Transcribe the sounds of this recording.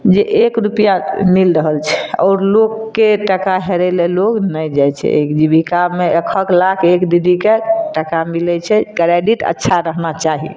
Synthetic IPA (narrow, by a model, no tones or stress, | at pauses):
d͡ʒeʔekɾupjamilɾəɦəlt͡ʃʰɛ̥ɔ̰ːɾlokːeʈəkaɦɛɾɛleloɡnəjd͡ʒajt͡ʃʰɛ̰ḛkd͡ʒibʱikabmeəkʰəkʰlakʰekd̪iɡikeʈəkamilɛt͡ʃʰɛkɾeɖiʈə̰tːʃʰaɾəɦnat͡ʃaɦḭ